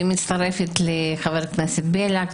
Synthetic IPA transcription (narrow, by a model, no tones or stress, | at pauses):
imit̪st̪ɐɾefit̪lexɐveɾknasʲit̪̚belʲak